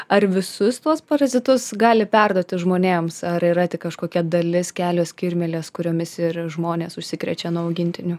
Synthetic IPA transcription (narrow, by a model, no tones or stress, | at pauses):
ɐrʋʲɪsʊst̪uɔspɐɾɐzʲɪt̪ʊsɡɑːlʲɪpʲærd̪oɔt̪ʲɪʒmoːnʲeːmsɐɾiːɾɐt̪ʲɪkkɐʃkoːkʲɛd̪ɐlʲɪskʲæːlʲoːsʲkʲɪɾʲmʲɛlʲeːskʊɾʲoːmʲɪsɪrʒmoːnʲeːsʊʃʲsʲɪkɾʲɛ̰t͡ʃʲɛnuɔɐʊɡʲɪnʲt̪ʲɪnʲʊ